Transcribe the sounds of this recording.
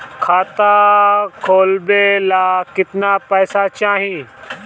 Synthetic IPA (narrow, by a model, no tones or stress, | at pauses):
kʰaːt̪akʰoːlbelaːkɪt̪napɛːsat͡ʃaːɦĩ